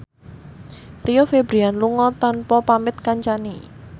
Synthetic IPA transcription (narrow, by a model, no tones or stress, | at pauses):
t̪ijofebɾianluŋɔt̪anpɔpamɪt̪̚kaɲt͡ʃani